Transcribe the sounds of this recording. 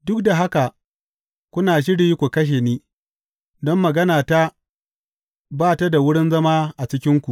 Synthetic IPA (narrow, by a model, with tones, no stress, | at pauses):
dʊ˦k̚da˨ɦa˦ka˨ | kʷʊ˦naː˨ʃ̬ɪ˦ɽiː˦kʷu˨kɐ˦ʃ̬e˨niː˦ | dɔ˦mːɐ˨ɡɐ˦naː˨ta˦ | baː˦˨ta˦da˨wʊ˦ɽɪ˦nzɐ˦maː˦ʔa˨t͡ʃɪ˦kʲɪ˦ŋkʷu˨ʔ